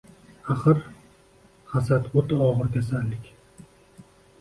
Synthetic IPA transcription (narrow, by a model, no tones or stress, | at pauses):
aχɨɾ | hasat̪ot̪ʰaɒʁɨɾkʲasalːɪkʲ